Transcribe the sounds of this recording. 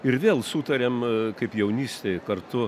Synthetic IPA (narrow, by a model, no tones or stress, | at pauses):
ɪɾʋʲeːlˠsut̪ɐɾʲemkɐɪpjɛʊnʲiːsʲt̪ʲeɪkɐrt̪ʊ